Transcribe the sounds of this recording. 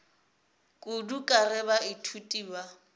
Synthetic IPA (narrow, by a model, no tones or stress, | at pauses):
kʼudukʼarɪβaitʰutʼiːba